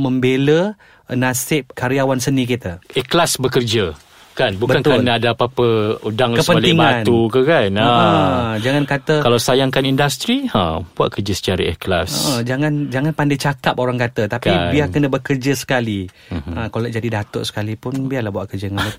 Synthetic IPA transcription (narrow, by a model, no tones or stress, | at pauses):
məmbelə | nasɪp̚kaɾiawansənĩk̬it̪əɛklasbəkərd͡ʒə | kanbubəkank̪anaːdapapəudaŋkəspəaliŋbaãtnukəkanə | d͡ʒaŋankat̪əkalasajaŋkanindast̪ɾiə̰̃bua̰ʔ̪̚kərd͡ʒəsə̥t͡ʃaɾaɛ̰kla̰sə̰ʔəd͡ʒaŋand͡ʒaŋanpandajt͡ʃakap̚oɾaŋkat̪ət̪apkibiakənəbəkərd͡ʒəsə̥kali | ə̃kalaʔd͡ʒadidat̪ʊ̰ʔsə̥kalipʊnbialahɦbuaʔkərd͡ʒəŋa